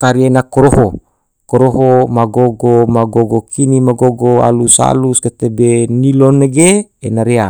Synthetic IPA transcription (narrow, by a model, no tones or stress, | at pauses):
kaɾienakoɾoɦo | koɾoɦomaɡoɡomaɡoɡokʰinimaɡoɡoa̰lusa̰lusket̪ebeniloneɡeenaɾea